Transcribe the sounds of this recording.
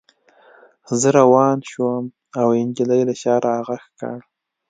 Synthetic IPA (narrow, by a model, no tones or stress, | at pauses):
zəɾawɑnʃwəm | awɪnd͡ʒiləjlaʃɑɾʔahaɣaxkɑ̰ɽ